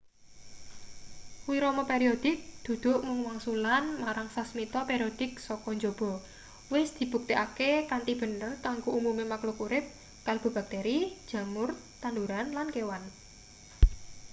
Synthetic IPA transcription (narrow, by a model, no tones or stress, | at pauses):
wiɾɔmɔpeɾiod̪̥ɪk̚d̪̥ṳd̪̥ʊ̤ʔmuŋwaŋsulanmaɾaŋsasmit̪ɔpeɾiod̪̥ɪ̤k̚sɔkɔnd͡ʒob̥ɔ̤ | wɪsd̪̥i̤b̥ṳk̚t̪iʔakekant̪ib̥ə̤nərkaŋɡoumumemaklokuɾɪp̚ | kalb̥o̤b̥a̤k̚t̪ɛɾid̥ʒ̥a̤mʊrt̪anduɾanlankewan